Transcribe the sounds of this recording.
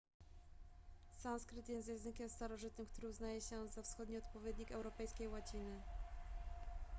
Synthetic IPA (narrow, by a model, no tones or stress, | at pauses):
sanskɾɘt̪jɛst̪jɛ̃zɘkʲɛmst̪aɾɔʐɘt̪nɘmkt̪uɾɘuznajɛɕɛzafsxɔd̪ɲiɔt̪pɔvʲjed̪ɲikɛwɾɔpɛjskʲejwat͡ɕinɘ